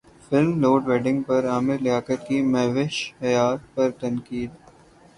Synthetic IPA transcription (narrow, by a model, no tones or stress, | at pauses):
fɪlmloːɖʋeːɖɪ̃ŋɡ̚pɐɾaːmɪɾlɪjaːkət̪kimɛːʋɪʃɐjaːt̪̚pɐɾt̪ɐ̃nkiːd̪